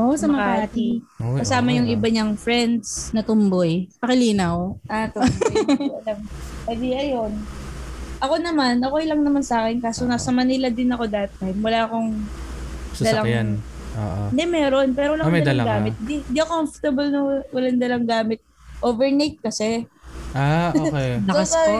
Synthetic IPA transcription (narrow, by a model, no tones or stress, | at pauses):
ʔosɐmɐkaat̪iɐsaːmɐjʊŋʔɪbaɲɐŋfɹɛnd̪snɐt̪ʊmbojpɐkɪliːnɐwʔat̪ʊ | ɐlɐmɐd̪iʔɐjon | ʔɐko̞nɐmanʔɐkojlɐŋnɐmansaːkɛnkaːsonasɐmɐnilɐd̪ɪnɐko̞d̪ɐɐt̪̚ːaɪjmwɐlaʔɐko̞ŋ | sad̪ɐlaŋjan | ʔo̰ːʔo̰ɪnd̪ɛmɛːɾo̞npɛːɾowɐladɐd̪ɐlɡaːmɪt̪̚d̪iɪnd̪iʔɐkomft̪ɐbɐlnɐwɐlaŋd̪ɐlɐŋɡaːmɪt̪̚ | ʔoːvɛɹnejt̪̚kɐsɛʔaoɛɐs